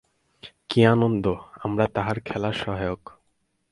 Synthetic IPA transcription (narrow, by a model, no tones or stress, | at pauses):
kianond̪oamɾat̪aɦaɾkʰɛlaʃɔɦajok